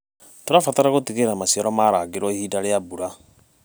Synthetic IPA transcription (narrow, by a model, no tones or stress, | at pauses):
toɾafataɾaɣotiɣeɾamasijɔɾɔmaːɾaːɡeɾwɔihiːdaɾeabuɾa